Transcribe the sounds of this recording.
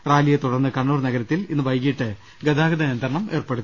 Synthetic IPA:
raːlijɐt̪uɽɐrnːɨkɐɳːuːrnɐɡɐɾɐt̪ːilinːɨʋɐjkiʈːɨ | ɡɐd̪aːɡɐd̪ɐjɐnd̪rɐɳɐme̞ːrpeɽut̪ː

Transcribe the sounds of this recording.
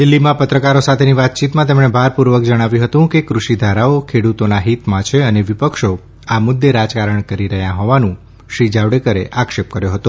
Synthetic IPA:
d̪ɪlːimãpət̪ɾəkaɾosat̪ʰeniʋat̪̚t͡ʃit̪mãt̪emɳebʱaɾpuɾʋəkd͡ʒəɽ̃aʋjũɦət̪ũkekɾuʃid̪ʱaɾaokʰeɽut̪onaɦit̪mãt͡ʃʰeəneʋipəkʃo | amʊd̪ːeɾad͡ʒkaɾəɳkəɾiɾəɦjãɦɔʋanũ | ʃɾid͡ʒaʋɽekəɾḛʔakʃep̚kəɾjoɦət̪o

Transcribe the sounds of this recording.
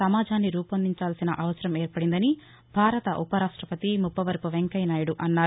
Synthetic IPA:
ɐmaːd͡ʒʱaːnːiɾuːpɐnd̪ʱiɲt͡ʃaːlsinɐʔɐʋɐsɐɾɐmeːɾpɐɽind̪ɐni | bʱaːɾɐt̪ɐ̰ʔupɐɾaːʂʈɾɐpɐt̪imupːɐʋɐɾpuʋeŋkɐjnaːjuɽuʔɐnːaː

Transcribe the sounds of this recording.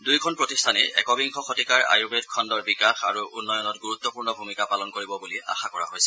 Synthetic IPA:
dujkʰɔnpɹɔtistʰanɛ̰ɛ̰kɔbiŋkʰɔxɔtikaɹa̰juɡetkʰɔndɔɹbikaxa̰ɹuunːɔjɔnɔtɡuɹut̪ːɔpuɹnɔbʱumikapalɔnkoɹibɔbulia̰xakɔɹa̰ɦojsɛ

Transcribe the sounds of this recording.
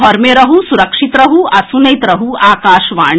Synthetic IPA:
ɦɔɾmeɾɐɦusuɾɐkʂit̪ɾɐɦuɐsunɐjt̪ɾɐɦuaːkaːʃʋa̰ːɳ

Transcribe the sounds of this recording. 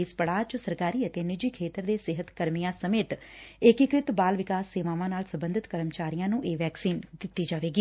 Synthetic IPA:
iːspəɽaːt͡ʃsəɾkaːɾiːət̪eːnɪd͡ʒiːkʰeːt̪əɾd̪eːsɪɦət̪kəɾmijãːsəmeːt̪ɪkɪkɾɪt̪baːlʋɪkaːsːeːʋãːʋãːnaːlsəmbənd̪ʱɪt̪kəɾəmt͡ʃaːɾijãːnũːʔeːʋɛːksiːnd̪ɪt̪ːiːd͡ʒaːʋeːɡiː

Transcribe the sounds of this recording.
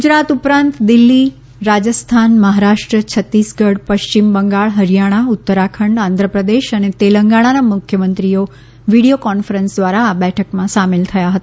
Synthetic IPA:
ɡud͡ʒɾat̪upɾãnt̪d̪ɪlːi | ɾad͡ʒəst̪ʰanməɦaɾaʂʈɾət͡ʃʰət̪ːisɡəɽpəʃt͡ʃimbəŋɡaɭɦəɾijaɽ̃aʊt̪ːəɾakʰəɳɖãnd̪ʱɾəpɾəd̪eʃənet̪eləŋɡaɽ̃anamʊkʰjəmə̃nt̪ɾio | ʋiɽijokɔnfəɾənsd̪ʋaɾaːbɛʈʰəkmãsamelt̪ʰəjaɦət̪a

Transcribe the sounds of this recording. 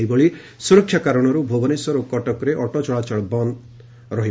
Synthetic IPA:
iboɭi | suɾɔkʰːjakaɾɔɽ̃ɔɾubʱobɔniswɔɾokɔʈɔkɔɾeʔɔʈɔt͡ʃɔɭat͡ʃɔɭbɔn | ɾɔɦi

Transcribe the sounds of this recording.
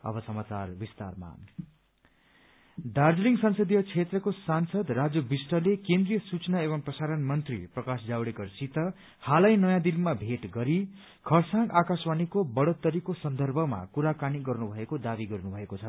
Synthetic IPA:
ʌ̰bʌsʌmat͡sarbist̪a̰rma̰ | ɖard͡zliŋɡsʌnsʌd̪ijʌt͡sʰet̪rʌkosansʌd̪rad͡zʌbisʈʌlekend̪rijʌsut͡snaeβʌmprʌsaɾʌnmʌnt̪rḭprʌkasd͡zawɽekʌrsit̪ʌ | halajnʌjãd̪ilmabʱeʈɡʌɾi | kʰʌrsãŋɡakaswanikobʌɽʌt̪ːʌɾikosʌnd̪ʌrbʱʌma̰kuɾakaniɡʌrnubʱʌekod̪abiɡʌrnubʱʌekot͡sʰʌ

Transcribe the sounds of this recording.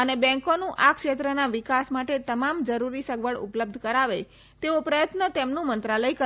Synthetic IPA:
ənebɛ̃ŋkonũʔakʃet̪ɾənaʋɪkasmaʈet̪əmamd͡ʒəɾuɾisəɡʋəɭʊ̰pləb̚d̪ʱkəɾaʋe | t̪eopɾəjət̪nət̪emnũmənt̪ɾaləjkə

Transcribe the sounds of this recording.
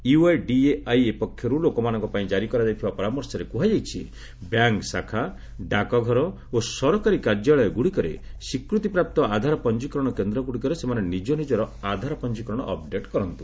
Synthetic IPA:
iuajɖieajepɔkʰːjɔɾulokɔmanɔ̃ŋkɔpaĩd͡ʒaɾikɔɾad͡ʒajt̪ʰibapɔɾamɔɾsɔɾekuɦad͡ʒajt͡ʃʰḭ | bjaŋksakʰa | ɖakɔɡʱɔɾɔ | osɔɾɔkaɾikaɾd͡ʒaɭɔjɔɡuɽikɔɾḛsikɾut̪ipɾap̚t̪ɔad̪ʱaɾɔpɔnd͡ʒikɾɔɽ̃ɔkend̪ɾɔɡuɽikɔɾesemanenid͡ʒɔnid͡ʒɔɾɔad̪ʱaɾɔpɔnd͡ʒikɾɔɽ̃ɔʔɔp̚ɖeʈkɔɾɔnt̪u

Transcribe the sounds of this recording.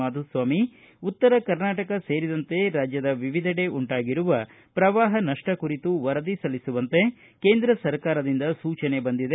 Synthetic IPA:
aːd̪usʋaːmi | ut̪ːɐɾɐkɐɾnaːʈɐkɐse̞ːɾid̪ɐnt̪e̞ɾaːd͡ʒjɐd̪ɐʋiʋid̪ʱɐɽe̞ʔuɳʈaːɡiɾuʋɐ | pɾɐʋaːɦɐnɐʂʈɐkuɾit̪uʋɐɾɐd̪isɐlisuʋɐnt̪e̞ | ke̞ːnd̪ɾɐsɐɾkaːɾɐd̪ind̪ɐsuːt͡ʃɐne̞bɐnd̪id̪e

